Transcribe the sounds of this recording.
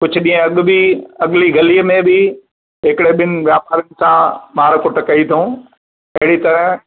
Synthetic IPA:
kʊd͡ʑʱʊ̆ɗĩːə̃ɐɠʊ̆biɐɠɪliɡɐliːəmẽbɪ | ɦɪkɪɽeɓɪnɪ̆ʋjaːpaːɾənɪ̆sãmaːɾkʊʈɐkɐit̪ʰõː | ɐɦɪɽit̪ɐɾəɦ

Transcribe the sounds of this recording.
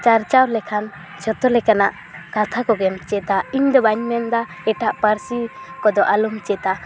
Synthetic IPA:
t͡ʃaɾt͡ʃawlɛkʰan | d͡ʒɔt̪ɔlɛkanaʔ | kat̪ʰakɔɡɛmt͡ʃɛt̪aiɲd̪ɔbaɲmɛnd̪a | ɛʈaʔpəɾsikɔd̪ɔʔalumt͡ʃɛt̪a

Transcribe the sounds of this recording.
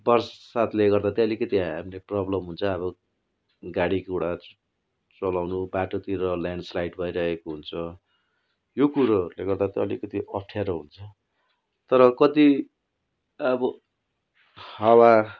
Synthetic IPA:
bʌrsʌsat̪leɡʌrd̪at̪ʌʌlikʌt̪iɦamleprʌblʌmɦunt͡sʰʌβʌ | ɡaɽikeɽa | t͡sʌlawnubaʈot̪iɾʌljaɳɖslajʈbʱʌjɾʌɦekoɦunt͡sʰʌ | jokuɾʌleɡʌrd̪at̪ʌʌlikʌt̪iʔʌpʰʈʰjaɾʌɦunt͡sʰʌ | t̪ʌɾʌkʌt̪i | ʌbʌ | hʌwa

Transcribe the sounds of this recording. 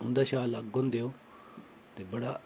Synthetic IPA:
ʊ̃nd̪aːʃaːlaɡːond̪eoː | t̪ebɐɽa

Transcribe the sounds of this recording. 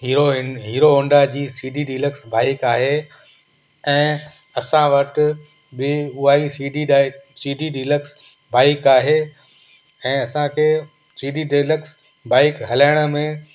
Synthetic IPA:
ɦiɾoɦiːɾoõɳɖad͡ʑiːsiːɖiɖiləksbaːɪkaːɦe | ɛ̃ː | ɐsãʋɐʈ | bɪʊɦaːisiːɖisiːɖiɖiːləks | baːɪkaːɦe | ɛ̃ːɐsãkʰeː | siːɖiɖiləks | baːɪkɦɐlaːɪɽ̃ə̆mẽ

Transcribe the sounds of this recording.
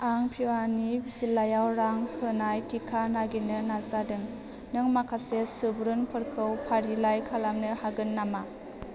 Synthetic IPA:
aŋpʰiwanizilːajawɾaŋpʰɯnajtikʰanaɡinɯnazadɯŋ | nɯŋmakʰasesɯbɾɯnpʰɯɾkʰɯwpʰaɾilajkʰalamnɯhaɡɯnːama

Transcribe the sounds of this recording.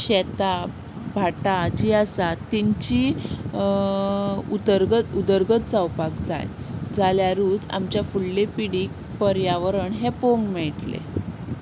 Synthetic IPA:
ɕet̪a | bʱaʈad͡ʑiːasat̪ːiɲt͡ɕi | ud̪əɾɡət̪ud̪əɾɡət̪d͡zawpakd͡za̰j | d͡zaljaɾuːd͡za̰mt͡ɕjafuɭːepiɽiːk̚ | pəɾjaʋəɾəɳɦepoŋɡmɛɭʈlḛ

